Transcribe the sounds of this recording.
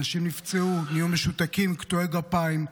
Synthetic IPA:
naʃimnift͡seumijomeʃut̪akimkt̪oeɡapaim

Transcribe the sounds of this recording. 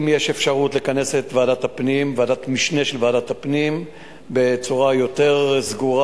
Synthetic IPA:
mjeʃe̞fʃaʁutlekane̞set̪veaːdathapnimveadat̪miʃne̞ʃelveaːdatapnim | be̞t͡suʁajo̞te̞ʁzɡuʁa

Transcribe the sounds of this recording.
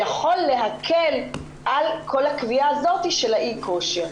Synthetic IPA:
jaχo̞lːe̞ɦakʰe̞l | ʔalkʰo̞lhakviaːzo̞t̪iʃe̞laʔikʰo̞ʃeʁ

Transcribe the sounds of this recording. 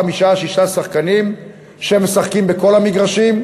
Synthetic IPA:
amiʃaʃiʃasaχkanim | ʃeeme̞saχkimbeko̞lhamiɡʁaʃim

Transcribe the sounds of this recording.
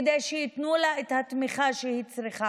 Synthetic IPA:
d̪ejʃejit̪nulaet̪hat̪miχaʃehit͡sɾiχa

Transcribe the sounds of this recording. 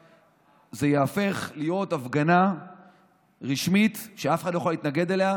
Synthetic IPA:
ze̞jaafe̞χlijo̞t̪avɡana | ʁiʃmit̪ʃeafexadloxalit̪naɡe̞d̪elea

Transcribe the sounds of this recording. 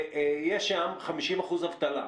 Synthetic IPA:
jeʃamχamiʃimaχuzavt̪ala̰

